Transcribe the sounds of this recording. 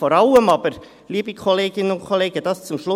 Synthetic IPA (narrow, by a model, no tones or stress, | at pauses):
foɾɑʊəmɑːb̥əɾ | liːbikʰoleːɡɪnənʊnkʰoleːɡəd̥ɑst͡sʊmʃlʊ